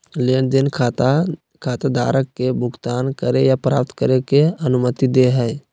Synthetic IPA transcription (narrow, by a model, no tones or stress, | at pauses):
leɳd̪ɪnkʰt̪ | kʰaːt̪ad̪a̰ːɾəkːebʱʊɡt̪aːnkəɾejapɾa̰ːp̚t̪kəɾekeɐnʊmət̪id̪eɦɛɛ